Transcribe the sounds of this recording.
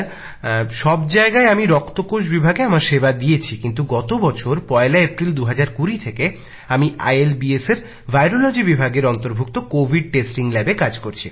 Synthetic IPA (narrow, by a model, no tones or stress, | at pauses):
ɾ | ʃɔbd͡ʑaeɡaeamiɾɔkt̪okoʃ̬bibʱaɡeamaɾʃebad̪ijet͡ɕʰikint̪uɡɔt̪obɔt͡ɕʰoɾpɔelaepɾild̪uɦad͡ʑaɾkuɾit̪ʰeke | amia̰jelbieseɾ | bʱajɾolod͡ʑibibʱaɡeɾɔnt̪oɾbʱuk̚t̪okobʱiɖ̚ʈesʈiŋlɛbekad͡ʑkoɾt͡ɕʰi